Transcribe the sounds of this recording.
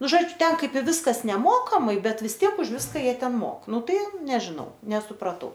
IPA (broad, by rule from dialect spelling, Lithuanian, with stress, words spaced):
ˈnʊ ˈʒoːd͡ʒʲʊ ˈtʲɛn ˈkɐɪp ɪ ˈʋʲɪskɐs nʲɛˈmoːkɐmɐɪ ˈbʲɛt ʋʲɪs ˈtʲiɛk ʊʃ ˈʋʲɪskɐ ˈjiɛ ˈtʲɛn ˈmoːk ˈnʊ ˈtɐɪ ˈnʲæːʒʲɪnɐʊ nʲɛsʊprɐˈtɐʊ